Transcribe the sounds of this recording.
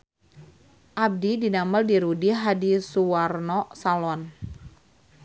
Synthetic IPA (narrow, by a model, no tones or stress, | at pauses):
ʔab̚didinaməldiɾudiɦadisuwarnɔsalɔn